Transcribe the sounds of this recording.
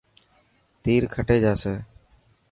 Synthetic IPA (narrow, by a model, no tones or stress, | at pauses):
t̪iːɾkʰəʈeːd͡ʒaːseː